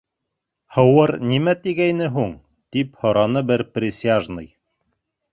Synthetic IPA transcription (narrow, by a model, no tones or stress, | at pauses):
hɤ̆wɤɾnimæt̪iɡæjnɘɦuɴ | t̪iphɤ̆ɾɑnɤbɘɾprʲɪsʲɪaʒnɤ̰j